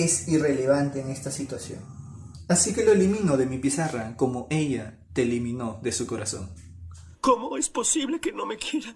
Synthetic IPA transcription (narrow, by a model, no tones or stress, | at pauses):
e̞sire̞le̞βant̪e̞ːŋe̞st̪asit̪wasjo̞̰nasike̞lo̞elimino̞ðe̞mipisarako̞mo̞ʔe̞ʝa | t̪eːlimĩno̞ðe̞suko̞ɾʔaso̞̰ŋ | komoesposiβle̞kenome̞kjeɾa